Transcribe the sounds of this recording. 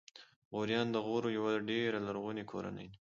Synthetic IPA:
ɣoɾjɑnd̪əɣoɾojawaɖeɾalaɾɣunikʰoɾa̰nə̰j

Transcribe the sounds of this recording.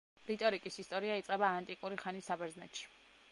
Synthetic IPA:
ɾit̪ʼɔɾikʼisist̪ʼɔɾiait̪sʼqʼɛbaːnt̪ʼikʼuɾiχanisabɛɾznɛ̰t̪ʃi̥

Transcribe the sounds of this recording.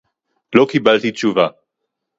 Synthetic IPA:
lokibalt̪it͡ʃuva

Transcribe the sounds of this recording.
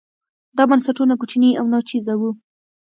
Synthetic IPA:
d̪ɑbansaʈunakut͡ʃniawnɑt͡ʃizawu

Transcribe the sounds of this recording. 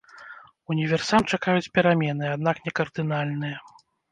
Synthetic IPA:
unʲivʲɛrsamt͡ʂakajut͡sʲpʲɛɾamʲɛnɨad̪n̪aknʲɛkɐrd̪ɨnalʲnɨjɐ

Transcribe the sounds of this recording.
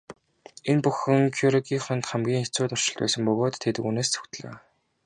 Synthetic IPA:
enpuxɘ̆ŋkʰjuɾiɡiːŋχœnt̪χæmɡʲiːŋet͡suːt̪ɔr̥t͡ɕɪ̆ɮt̪pæ̰ːsə̆mpɵɣoːt̪ʰːet̪ɘ̆kuːneːst͡sʰɵ̥xt̪̆ɮo̰ː

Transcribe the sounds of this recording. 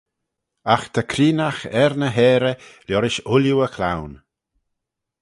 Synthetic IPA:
axt̪ʰəkʰɾiːnaxɛɾnəɦɛːɾəljɔɾɪʃʊljuəkʰla̰wn

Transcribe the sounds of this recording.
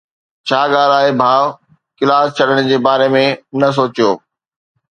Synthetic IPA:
t͡ɕʰaːɠaːlaːɦebʱãː | kɪlaːst͡ɕʰɐɽəɽ̃d͡ʑeːbaːɾemẽnɐs̬oːt͡ɕijoː

